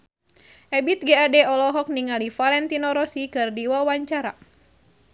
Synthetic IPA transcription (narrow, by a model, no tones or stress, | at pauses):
ʔɛbit̪̚ɡɛadɛɔlɔɦɔk̚niŋalifalɛnt̪inɔɾɔsikɨrdiwawaɲt͡ʃaɾa